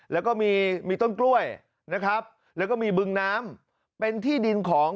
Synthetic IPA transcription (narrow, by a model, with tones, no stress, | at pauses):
lɛː˦˥wkɔː˥˩miː˧miː˧t̪o˥˩nklu˥˩əj | na˦˥kʰɾa˦˥p̚ | lɛː˦˥wkɔː˥˩miː˧bɯ˧ŋnaː˦˥m | pe˧nt̪ʰiː˥˩di˧nkʰɔː˩˦ŋ